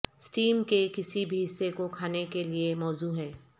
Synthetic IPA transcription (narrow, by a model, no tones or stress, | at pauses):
sʈiːmkekɪsibʱiɦɪsːekokʰaːnekeliemɔːzuɦɛː